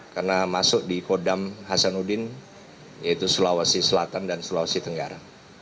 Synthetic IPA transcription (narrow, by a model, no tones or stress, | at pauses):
karnamasʊk̚dikodamɦasanudɪn | jait̪usulawasisəlat̪andansulawasit̪əŋɡa̰ɾa